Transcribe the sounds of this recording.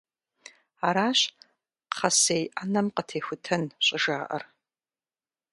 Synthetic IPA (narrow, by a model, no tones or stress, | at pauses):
aɾaːɕ | qχɐsejʔanɐmqətʰeːxʷʊtʰɐnɕʷʼɐʒaːʔɐ̰r